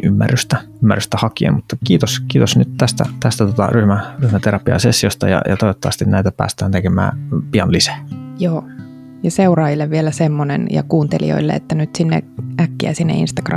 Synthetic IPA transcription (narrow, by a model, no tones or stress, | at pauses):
ʔymːæ̰rːyst̪æ | ymːærːyst̪æhɑkiḛnmut̪ːɑkiːt̪oskiːt̪osnyt̪t̪æst̪æ̰t̪æst̪æt̪ot̪ɑ̰ryhmæryhmæt̪eɾɑpiɑ̰sesːiost̪ɑ̰jɑ̰jɑt̪oiʋot̪ːɑʋɑ̰st̪innæit̪æpæ̰ːst̪æːnt̪ekemæ̰ːpiɑnlisæ̥joː | jɑseurɑːjilːeʋʋielæsemːonḛnjɑ̰kuːnt̪elḭo̰ilːḛḛt̪ːænyt̪sinːḛʔækːiæ̰sinːḛḭnst̪ɑ̥krɑ̰